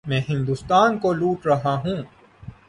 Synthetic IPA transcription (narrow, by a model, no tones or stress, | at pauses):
mɛ̃ːɦɪ̃nd̪ust̪aːnkoluːʈɾɐɦaɦũː